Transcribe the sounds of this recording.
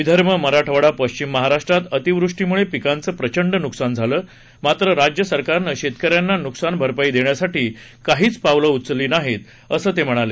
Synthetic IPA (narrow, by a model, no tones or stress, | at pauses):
ʋid̪ʱəɾməməɾaʈʰəʋaɽapəɕt͡ɕimːəɦaɾaʂʈɾat̪ət̪iʋɾuʂʈimuɭepikant͡səːpɾət͡ɕəɳɖənuksand͡zʱaləː | mat̪ɾəɾad͡ʑjəsəɾkaɾnəɕet̪kəɾjanːanuksanbʱəɾpaiːd̪eɳjasaʈiːkaɦiːt͡spaʋləut̪t͡səliːnaɦet̪ | əsəːt̪em̤əɽ̃ale